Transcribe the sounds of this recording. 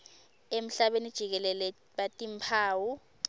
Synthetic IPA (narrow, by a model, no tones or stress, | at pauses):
em̩ɬaɓenid̥ʒ̥ʱik̬ɛlɛlɛ | ɓatʼimpʰaːwu